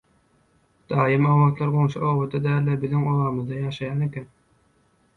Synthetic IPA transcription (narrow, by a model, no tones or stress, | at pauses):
d̪̥ɑːjɯmɑwɑːt̪lˠɑɾʁonʃɑoːwod̪ɑd̪æːlːebiðiŋowɑːmɯzd̪ɑjɑːʃɑjɑːnekʲen